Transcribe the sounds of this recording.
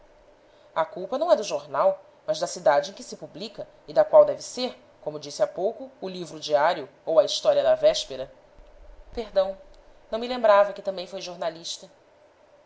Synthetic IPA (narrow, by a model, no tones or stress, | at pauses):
ɐkuwpɐnɐ̃w̃ɛd̪ʊʒoɾnaw | mɐzd̪ɐsid̪ad͡ʒɪẽj̃kɪ̥sɪpublikɐ | ɪd̪ɐkwawd̪ɛvɪseɾ | kõmʊd͡ʒisɪapowkʊːlivɾʊd͡ʒiaɾjʊ | owɐiʃt̪ɔɾiɐd̪ɐvɛʃpeɾɐ | peɾd̪ɐ̃w̃nɐ̃w̃milẽmbɾavɐkɪt̪ɐ̃mbẽj̃fojʒoɾnaliʃt̪ɐ